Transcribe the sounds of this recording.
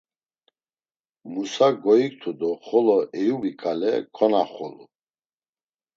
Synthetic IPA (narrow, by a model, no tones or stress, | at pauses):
musaɡɔik̚t̪ʰud̪ɔχɔlɔʔɛjubikʼalɛ̰kʰɔnaχɔlu